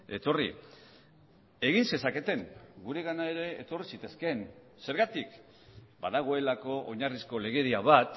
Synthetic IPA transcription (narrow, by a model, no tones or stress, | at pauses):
e̞t̪o̞rḭ | e̞ɣinse̞sake̞t̪e̞ŋɡuɾe̞ɣ̞anae̞ɾe̞ːt̪o̞risit̪e̞ske̞n | se̞ɾɣat̪ik | baðaɣ̞o̞e̞lako̞ʔoɲarisko̞le̞ɣe̞ɾiaβ̞at̪